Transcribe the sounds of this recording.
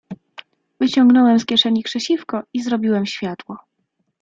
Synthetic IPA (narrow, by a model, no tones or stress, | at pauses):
vɘt͡ɕɔŋɡnɔwɛmskʲjɛʂɛɲikʂɛɕifkɔizɾɔbʲiwɛmɕfʲjat̪wɔ